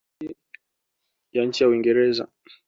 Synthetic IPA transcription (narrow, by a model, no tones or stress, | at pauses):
i | jaɲ̩t͡ʃijauwiŋɡɛɾɛza̰